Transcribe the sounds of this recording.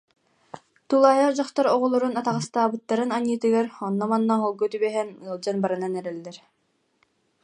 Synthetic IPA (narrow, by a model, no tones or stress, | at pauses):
t̪ulˠaːjaɾd͡ʑaχt̪ɔɾɔʁɔlˠɔɾunat̪aʁɯst̪aːbɯt̪ːaɾɯnaɲɯːt̪ɯɡaɾɔnːɔmanːaɦɔlˠɡɔt̪ybɛɦɛnɯlˠd͡ʑanbaɾɯnanɛɾɛlːɛɾ